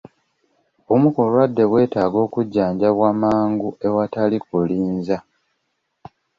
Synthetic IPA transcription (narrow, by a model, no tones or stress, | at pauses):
omukulwadːe̞βwe̞ːtaːɡo̞ːkuɟːaːɲɟaβwaːmaːŋɡue̞watalikuliːnza